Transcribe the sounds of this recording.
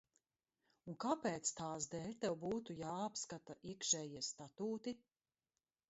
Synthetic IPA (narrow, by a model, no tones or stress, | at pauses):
unkapɛːt̪st̪aːsd̪ɛːlʲt̪ɛwbuːt̪ujaːapskat̪aʔiɛkʃɛːjiɛst̪at̪uːt̪i